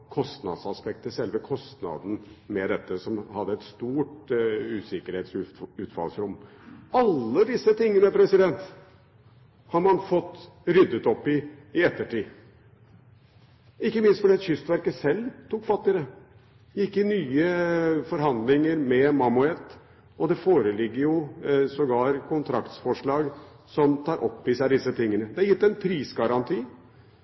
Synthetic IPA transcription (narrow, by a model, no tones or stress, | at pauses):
kʰɔst̪nɑ̰d̪sɑspɛk̚t̪əsɛlʋəkʰɔst̪nɑ̰d̪n̩mɛd̪ɛt̪ːəsɔmhɑd̪ːəɛt̪st̪uːʈʉːsɪkəɾheːt̪sʉʉːt̪fɑ̰lsɾʊm | ɑlːəd̪ɪsːət̪ɪŋːənəpʰɾɛsɪd̪ɛnt̪ | hɑɾmɑnfɔt̪ːɾʏd̪ːət̪ɔpːɪɪɛt̪ːəʈiː | ɪkːəmɪnst̪fɔɖiɑt̪ɕʏst̪ʋæɾkəsɛlːt̪ʰuːkfɑt̪ːɪɾə | jɪkːɪnyːəfɔɾɦɑnd̪lɪŋəɾmɛmɑmʉɛt̪ː | ɔd̪ɛfoːɾəlɪɡːəɾjʊsɔɡɑːɾkʰʊnt̪ʰɾɑ̰kt̪sfɔʂɭɑːɡ | sɔmt̪ʰɑːɾʔɔ̰pːɪsæɪd̪ɪsːət̪ʰɪŋːənəd̪ɛjɪt̪ːɛnpʰɾiːsɡɑɾɑnt̪ʰiː